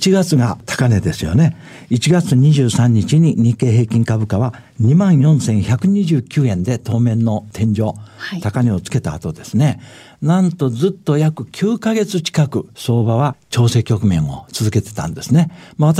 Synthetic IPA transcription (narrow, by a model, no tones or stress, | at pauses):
t͡ɕiɡat͡sɨɡat̪ʰḁkane̞d̪e̞sɨjo̞̰ne̞ | it͡ɕiɡat͡sɨɲ̟iʑɨːsãɲ̟ːit͡ɕiɲ̟iɲ̟ĩke̞ːɦe̞ːkʲĩŋkabɯ̟kaβa | ɲ̟imãɰ̃jõ̞ɰ̃sẽ̞ɰ̃çʲakɯ̟ɲ̟iʑɨːkʲɨːẽ̞nd̪e̞t̪o̞ːmẽ̞nːo̞t̪ʰẽ̞ɲ̟d͡ʑo̞ːt̪akane̞o̞t͡sɨ̥ke̞t̪a̰ːt̪o̞d̪e̞sɨne̞ | nãnt̪o̞zɨt̪ːo̞jakɯ̟kʲʰɨːkaɡe̞t͡sɨt͡ɕi̥kakɯ̟so̞ːbaβat͡ɕo̞ːse̞ːkʲo̞kɯ̟mẽ̞ɰ̃o̞̰t͡sɨzɨke̞t̪e̞̥t̪ã̰nd̪e̞sɨne̞maβat̪